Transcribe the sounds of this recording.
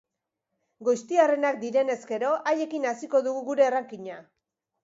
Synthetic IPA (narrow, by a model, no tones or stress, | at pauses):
ɡojst̪iare̞nak̚d̪iɾe̞ne̞ske̞ɾo̞ʔaje̞kinasiko̞ðuɣuɣuɾe̞ːraŋkiɲa